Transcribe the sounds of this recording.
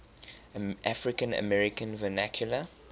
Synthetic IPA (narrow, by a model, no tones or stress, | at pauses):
ʔafɹɪkə̃nə̰mɛɹɪkə̃nvənakʰjulə